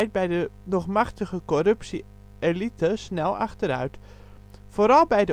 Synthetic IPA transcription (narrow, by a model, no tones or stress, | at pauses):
jt̚bɛjdənɔχmaxtəɣəkorɵpsi | elitəsnɛlˠa̰xtəɾœ̰ɥt | foɾɑlˠbɛjdə